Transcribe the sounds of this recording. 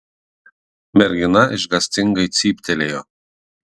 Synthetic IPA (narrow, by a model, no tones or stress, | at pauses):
mʲɛɾʲɡʲɪnɐɪʃɡɐsʲt̪ʲɪŋɡɐɪt̪sʲiːpʲt̪ʲɛlʲeːjo